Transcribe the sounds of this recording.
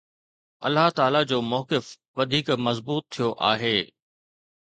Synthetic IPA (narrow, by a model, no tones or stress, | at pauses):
ɐ̰lːaɦt̪aːlad͡ʑoːmɔːkɪf | ʋɐd̪ʱiːkmɐzbuːt̪ʰːijoʔa̰ːɦeː